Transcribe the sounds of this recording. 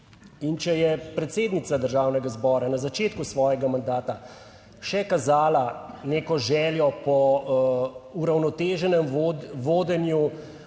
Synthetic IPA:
int͡ʃɛjɛpɾɛt̪seːd̪nit̪sad̪əɾʒaːwnɛɡazbɔːɾanazat͡ʃeːt̪kusʋɔːjɛɡamand̪aːt̪a | ʃɛkazaːlaneːkɔʒɛːljɔpɔ | uɾawnɔt̪eːʒɛnɛmʋoːd̪ɛnju

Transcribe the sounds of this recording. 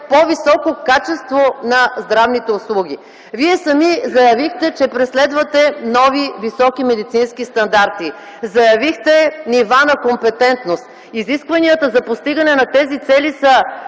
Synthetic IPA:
povisɔkokat͡ʃɛst̪vonɐzd̪ɾavnit̪ɛʊslˠuɡʲi | viɛsɐmizɐjɐvixt̪ɛt͡ʃɛpɾɛslɛd̪vət̪ɛnɔvivisɔkimɛd̪it̪sinskist̪ɐnd̪aɾt̪i | zɐjɐvixt̪ɛnivanɐkompɛt̪ɛnt̪nost̪ | iziskvɐniət̪əzɐpost̪iɡɐnɛnɐt̪ɛzit̪sɛlisɐ

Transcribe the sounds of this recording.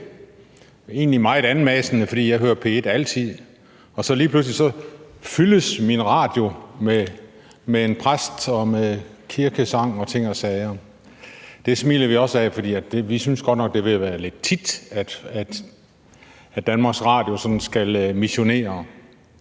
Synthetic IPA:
e̝̰ːnlimɑ̈ɪe̝ɾ̥æn̩mɛsənəfɒ̽d̥ḭːjɑɪɦøːɐ̰pʰe̝ed̥æl̰t͡sʰið̰ˠ | ɒ̽sɒ̽liːpʰlus̬lisɒ̽fyləsminʁɑ̰̈ːd̥jo̝me | meenpʰʁasd̥ɒ̽mekʰiɐɡ̥əsɑ̈ŋ̰ɒ̽t͡sʰe̝ŋ̰ɒsɛɪɐ | d̥e̝smḭːlɐʋiɒ̽sæfɒ̽d̥ḭːæd̥e̝ʋisynsɡ̥ɒd̥nɒ̽ɡ̥̚d̥e̝ʋe̝æʋæːɐle̝d̥̚t͡sʰid̥æd̥æd̥ | æd̥ænmɑ̈ːɡ̥sʁɑ̰̈ːd̥jo̝sɒ̽d̥n̩sɡ̥ælmiɕo̝ne̝̰ːɐ

